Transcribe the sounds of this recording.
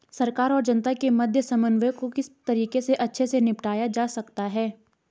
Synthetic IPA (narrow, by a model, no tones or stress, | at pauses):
sɐɾkaːɾɔːɾd͡ʒɐnt̪akemɐd̪ʱjəsɐmənʋjkokɪst̪ɐɾiːkeseʔɐtːʃʰesenɪpʈaːjad͡ʒaːsɐkt̪aɦɛː